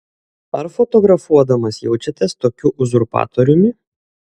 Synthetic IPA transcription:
ɐɾfɔt̪ɔɡɾɐfuɔd̪ɐmɐsjɛʊt͡ʃʲɛt̪ʲɛst̪oːkʲuʔʊzʊɾpɑ̰ːt̪ɔɾʲʊmʲɪ

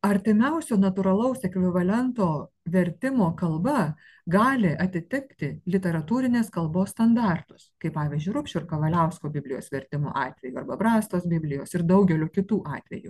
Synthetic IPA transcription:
ɐɾʲt̪ʲɪmʲɛʊsʲoːnɐt̪uːɾɐlˠɐʊsɛkʲʋʲɪʋɐlʲɛnt̪oː | ʋʲɛɾʲt̪ʲɪmoːkɐlˠbɐ | ɡɑːlʲɪʔɐt̪ʲɪt̪ʲɪkt̪ʲɪlʲɪt̪ʲɛɾɐt̪uːɾʲɪnʲeːskɐlˠboːsst̪ɐnd̪ɑːˑrt̪ʊ̥skɐɪpɑːʋʲiːzʲd͡ʒʲʊɪɾʊpʲʃʲʊɾkɐʋɐlʲɛʊskoːbʲɪbʲlʲɪjo̰ːsʋʲɛɾʲt̪ʲɪmo̰ːʔɑːt̪ʲʋʲɛjuːɐrbɐbɾɑːst̪oːsbʲɪbʲlʲɪjoːsɪɾd̪ɐʊɡʲɛlʲuːkʲɪt̪uːʔɑːt̪ʲʋʲɛ̰jṵ

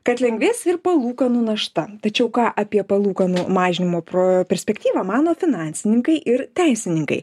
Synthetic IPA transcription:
kɐt̪lʲɛŋɡʲʋʲeːsɪrpɐlˠuːkɐnʊnɐʃt̪ɐt̪ɐt͡ʃʲɛʊkɑːʔɐpʲiɛpɐlˠuːkɐnumɑːʒʲɪnʲɪmoːpopʲɛɾʲsʲpʲɛkt̪ʲiːʋɑːmɑːnoːfʲɪnɑnʲsʲɪnʲɪŋkɐɪʔɪɾt̪ʲæɪsʲɪnʲɪŋkɐ̰ɪ

